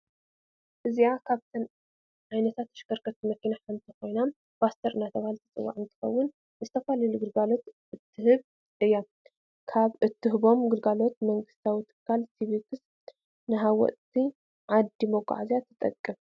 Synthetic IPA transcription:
ʔɨziakʰaβt̪ʰɐn | ʕajnɐt̪ʰat̪ːɐ̥ʃkɐɾkʰɐt̪ʰːimɐkːinaħant̪ʰixo̞jnam | b̥ast̪ʰɐɾɨnat̪ʰɐβahalt̪ʰɐt͡sʼɨ̰wːa̰ʕɨnt̪ʰɨ̥xɐ̰wːʊn | zɨt̪ʰɐfalɐluɡɨlɡalo̞t̪ | ɨt̪ʰːɨhɨβ | ʔɨjːa | kʰaβɨt̪ːɨɦɨβo̞mɡɨlɡalo̞t̪̚mɐŋɡɨst̪ʰawit̪ʰɨ̥kʰːalsʰiβikʰɨs | nɨɦawɔ̰ʔt̪ʰi | ʕad̪imokʼːa̰ʕazjat̪ʰɨt̪ʼɐ̰kʼːɨm

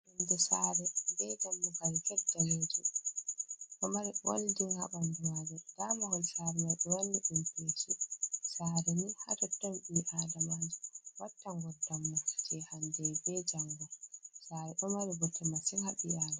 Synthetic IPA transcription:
ʔundɛsaɾɛdɛd͡ʒamːubaɾikɛdːaledi | ʔɔmaɾiwo̰ldiha̰ɓandumad͡ʒɔd̥amahɔlsaɾɛmaɗɔwanːiʔumpetʰisaɾɛnihadɔtːɔnɓiːʔaːdamad͡ʒɛwatːaŋɡɔdamːakḁt͡ʃɛhandɛbɛd͡ʒaŋɡɔsaːɾɛʔɔmaɾiɡɔtʰɛmasiŋhaɓḭaːda

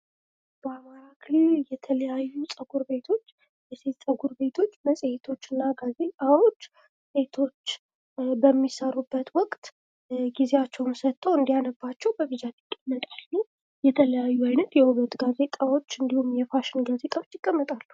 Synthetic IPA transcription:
b̥əamaɾakʰɨliljɛt̪ʰələjajːusʼəɡuɾbe̞t̪ʰo̞t͡ʃː | jɛse̞t̪sʼəɡuɾbe̞t̪ʰo̞t͡ʃːməsʼehet̪ʰo̞t͡ʃːɨnːaɡaze̞k̪ʼawo̞t͡ʃː | se̞t̪ʰo̞t͡ʃː | bəmːisəɾubːət̪wɔkʼt̪ | ɡizeat͡ʃːɛwnsət̪ʰːəwɨnd̪ijanəbat͡ʃːɛwbəɡɨd͡ʒat̪ikʼːəmːət̪ʼalː | jɛt̪ʰələjajːuajnət̪jɛuβət̪ɡaze̞t̪ʼawo̞t͡ʃːɨnd̪ihumjɛfaʃɪnɡazet̪ʼawot͡ʃːjɪkʼːəmːət̪ʼalːu

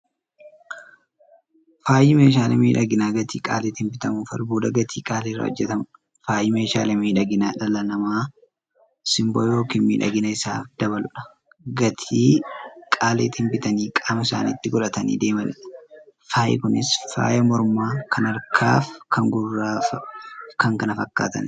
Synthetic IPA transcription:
faːjɪmeːʃ̬aːlɛmḭːᶑɐɡɪnaːɡɐt̪ʰiːkʼaːlet̪hɪnbɪt̪ɐmuːfɐ̰lbuːd̪ɐɡɐt̪ʰiːkʼaːlerːɐ̰ɔ̰d͡ʒːɛt̪ɐm | faːjɪmeːʃa̰ːlɛmiːᶑɐɡɪnaːᶑɐlɐnɐmaː | sɪmboːjo̞ːkinmḭːᶑɐ̰ɡɪnɐɪsaːd̪̥ɐβɐlʊᶑɐ̥ | ɡɐt̪ʰiːkʼaːlḛːt̪ːɪmbɪt̪ɐniːkʼaːmɐɪsa̰ːnḭt̪ːɪɡɔᶑɐt̪ɐnḭːd̪e̞ːmɐnɪᶑɐ̥faːʔɛ̰kʊnɪsfa̰ːjɐmɔɾmaːkʰɐnɐɾkʰa̰ːfkʰɐŋɡʊrːa | kɐŋkɐnɐfɐkːa̰ːt̪ɐ̰n

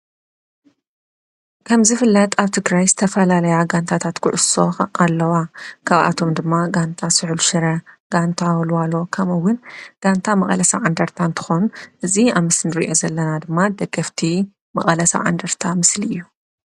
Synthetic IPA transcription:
kʰɐmzɨfɨlːɐt̪ʼaβt̪ʰɨɡɾajzɨt̪ʰɐfɐlalɐjaɡant̪ʰat̪ʰat̪kʰʊʕʊso̞̰alːɐwakʰaβʔa̰t̪ʰo̞md̪ɨmːaɡant̪ʰasɨʕluʃɨɾɐɡ̥ant̪ʰawɔlwalo̞kʰɐmɐwʊnɡ̥ant̪ʰamɐχʼɐlɐsa̰ʕand̪ɐɾt̪ʰant̪ʰɨ̥xonuʔɨziamɨsnɨɾḭʔo̞zɐlːɐnad̪ɨmːad̪ɐɡːɐft̪ʰi | mɐ̰χʼɐlɐsa̰ʕa̰nd̪ɐɾt̪ʰamɨsliɨjːu

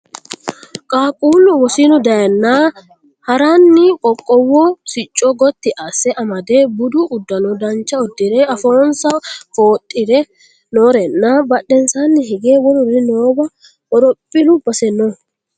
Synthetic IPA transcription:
kʼaːkʼuːlʊwɔsɪnʊd̪ɐjɐnːaː | hɐɾaːnːɪkʼɔkʼːɔwːɔːsɪt͡ʃʼːɔɡɔt̪ːɪʔɐsɛʔɐmɐd̪eːbʊd̪ʊʔʊd̪ːɐnɔd̪ɐnt͡ʃːɐɔd̪ːɪɾɛɐfoːnsɐfo̞ːt̪ʼːɪɾɛ | noːɾɛnːaːbɐɗɛnsaːnːɪɦɪɡeːwɔlʊrɪnoːbɐ | wɔɾɔpʼːɪlʊbɐsɛnːɔ

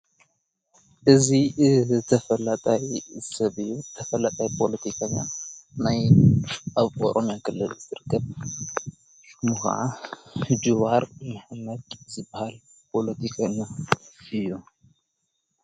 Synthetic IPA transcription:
ʔɨzit̪ʰɐfɐlat̪ʼajsɐβit̪ʰɐfɐlat̪ʼajpʰo̞lɐt̪ʰikʰaɲːanaj | ʔaβʔo̰ɾʔomjakʰɨlːɨlzɨɾɨkːɐβ | mɨxʕa̰ | d͡ʒuβaɾmɨħmɐt̪zɨbːahal | pʰo̞lɐt̪ʰikʰaɲːaɨjːu

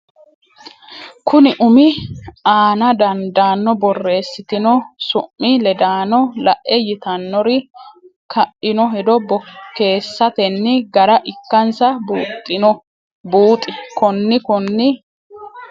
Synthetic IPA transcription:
kʰʊnɪʔʊmɪaːnɐd̪ɐnd̪aːnːɔbɔrːe̞ːsːɪt̪ɪnɔsʊʔːɪlɛd̪aːnɔlɐʔʔɛjɪt̪ɐnːɔɾɪ | kɐʔɪnɔɦɛd̪ɔbɔkːe̞ːsːɐt̪ɛnːɪɡɐɾɐʔɪkːɐnsɐbuːt̪ʼːɪnɔ | buːt̪ʼɪkɔnːɪkɔnːɪ

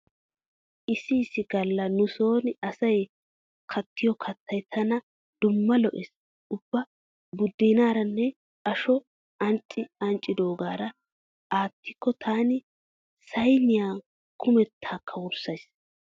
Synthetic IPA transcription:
ʔɪsɪːsɪɡ̥ɐlːɐnʊso̞ːnɐsɐj | kʰɐt̪ʰːɪjɔkʰɐt̪ʰːɐjt̪ʰɐnɐ | d̪̥ʊmːɐlɔʔɛs | ʊbːɐ | bʊd̪ːiːnaːɾɐnːɛ | ɐʃɔ | ɐnt͡ʃʼːɪɐnt͡ʃʼːɪd̪o̞ːɡaːɾɐ | ʔaːt̪ʰːɪkːɔt̪ʰaːnɪ | sɐjnɪjaː | kʰʊmɛt̪ʰːaːkʰːɐwʊɾsɐjs

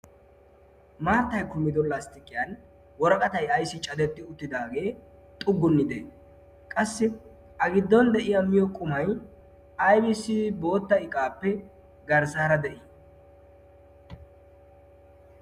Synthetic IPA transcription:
maːɾt̪ːɐjkʊmːɪd̪ɔnlɐst̪ɪkʼːɪjan | wɔɾɐkʼɐt̪ɐjɐjsːɪt͡ʃʼɐd̪ɛt̪ʼːɪʊt̪ːɪd̪aːɡe̞ː | t̪ʼʊɡːʊnːɪd̪ɛ | kʼɐsːɪ | ɐɡɪd̪ːɔnd̪ɛʔɪjɐmːɪjɔkʼʊmɐj | ɐjbɪsɪbo̞ːt̪ːɐɪkʼaːpːɛ | ɡɐɾzaːɾɐd̪ɛʔɪ

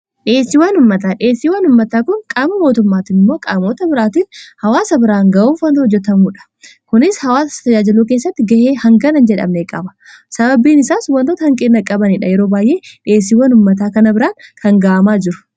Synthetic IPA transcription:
ᶑɪeːsːɪwanʊmːɐt̪aːᶑɪeːsːiːwɐnʊmːɐt̪aːkʊŋkʼaːmɐmo̞ːt̪ʊmːaːt̪ɪmːo̞ːkʼaːmo̞ːt̪ɐbɪɾaːt̪ɪnhɐwaːsɐbɪɾaːŋɡɐʔuːfɐnt̪hɔd͡ʒːɛt̪ɐmuːᶑɐ̥ | kʊnɪshɐwaːsɐ̥t̪ɐd͡ʒaːd͡ʒɪluːk̬eːsːɐt̪ːɪɡɐheːhɐŋɡɐnɐnd͡ʒɛᶑɐ̰mneːkʼɐbɐ̥ | sɐbɐbiːnɪsaːswɐnt̪oːt̪ɐhɐŋkʼeːnːɐkʼɐbɐniːᶑɐjɛɾo̞ːbaːjʔe̞ːᶑe̞ːs̬iːwɐnʊmːɐt̪̬aːkɐnɐbɪɾaːŋkɐŋɡaːʔɐmaːd͡ʒɪɾʊ̥

